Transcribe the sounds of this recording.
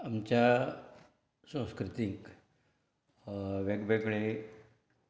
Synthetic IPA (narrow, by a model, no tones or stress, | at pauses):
amt͡ɕja | sə̃w̃skɾut̪iŋk | ʋeɡbeɡɭe